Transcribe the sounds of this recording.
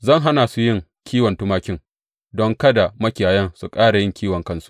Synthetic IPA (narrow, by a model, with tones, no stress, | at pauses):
zɐ˦˨ŋɦa˦naː˨su˦jɪ˦ŋ | kʲiː˦wɐ˨ntʊ˦maː˦kʲɪ˦ŋ | dɔ˦ŋkɐ˦da˨mɐ˦kʲɪ˨jaː˨jɐ˦ŋsu˨kʼaː˦ɽa˨jɪ˦ŋkʲʰiː˦wɐ˨ŋkɐ˦nsu̥˦ʔ